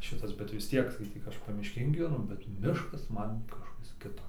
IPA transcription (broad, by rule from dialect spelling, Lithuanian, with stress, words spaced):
ˈʃʲɪtɐs bʲɛt ʋʲɪs ˈtʲiɛk skɐɪˈtʲiːk ˈɐʃ pɐmʲɪʃʲˈkʲeːn ɡʲiːʋʲɛˈnʊ bʲɛt ˈmʲɪʃkɐs ˈmɐn kɐʃˈkɐs ˈkʲɪtoː